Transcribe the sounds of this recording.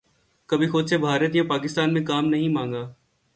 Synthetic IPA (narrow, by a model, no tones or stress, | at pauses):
kɐbʱixʊd̪sebʱaːɾət̪ijãpaːkɪst̪aːnmẽkaːmnɐɦĩmãːŋɡaː